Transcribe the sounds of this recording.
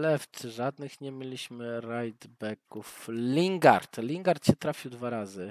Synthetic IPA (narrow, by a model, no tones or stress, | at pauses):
lɛft̪sɘʐad̪nɘxɲɛmʲilʲiɕmɘɾajd̪bɛkuflʲiŋɡa̰ɾt̪lʲiŋɡaɾt̪ɕɛt̪ɾafʲiwd̪vaɾazɘ